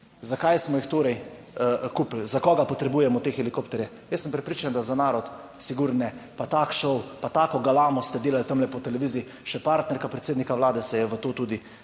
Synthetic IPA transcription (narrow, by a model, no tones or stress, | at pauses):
zakajsmɔjixt̪oːɾɛj | kuplzakɔɡapɔt̪ɾɛbuːjɛmɔt̪eːxɛlikoːpt̪ɛɾjɛ | jəsːəmpɾɛpɾiːt͡ʃand̪azanaːɾɔt̪ | siɡuɾnɛpat̪akʃɔwpat̪aːkɔɡalaːmɔst̪ɛd̪eːlalt̪əmlɛpɔt̪ɛlɛʋiːzii | ʃɛpaɾt̪nɛɾkapɾɛt̪seːd̪nikaʋlaːd̪ɛsɛjɛʋət̪oːt̪uːd̪i